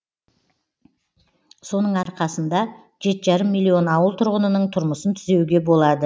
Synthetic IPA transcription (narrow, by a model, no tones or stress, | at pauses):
so̞nəɴɑɾqɑsənd̪ɑ | ʒe̞t̪ʒɑɾəmːijlːio̞nɑwəlˠt̪ʰʊɾʁənənəɴt̪ʰʊɾməsənt̪ʰʏze̞wɡʲe̞bo̞lˠɑd̪ə